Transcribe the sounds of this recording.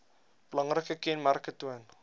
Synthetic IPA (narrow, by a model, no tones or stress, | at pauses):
b̥əlɐŋrəkəkɛnmarkətːuən